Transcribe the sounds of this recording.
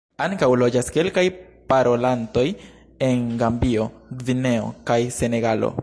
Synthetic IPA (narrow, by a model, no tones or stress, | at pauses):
aŋkawlo̞d͡ʒaske̞lkaj | paɾo̞lanto̞j | e̞nɡambio̞ɡvine̞o̞̰kajse̞ne̞ɡalo̰